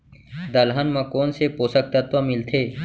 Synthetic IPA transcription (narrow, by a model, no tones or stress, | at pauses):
d̪əlɦənmɐ̃koːnsepoːsək̚t̪ət̪ʋəmɪlt̪ʰeː